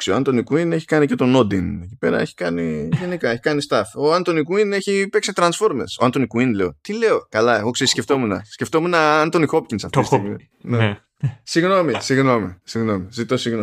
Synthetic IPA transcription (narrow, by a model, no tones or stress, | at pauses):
ksioɐnt̪onikuine̞çi̥kɐnice̞t̪o̞no̞d̪ine̞cipe̞̰ɾɐ̰e̞çi̥kɐniʝenikɐe̞çi̥kɐnist̪ɐfoɐnt̪onikuine̞çipe̞ksit̪ɾɐnsfo̞ɾmesoɐnt̪onikuinle̞o̞̰t̪ile̞o̞kɐlɐeɣo̞ksesceft̪o̞munɐ̰sceft̪o̞munɐɐnt̪o̞nixo̞p̚cinsɐft̪istiɣmi | ne | siɣno̞misiɣno̞mḭsiɣno̞mizit̪o̞siɣno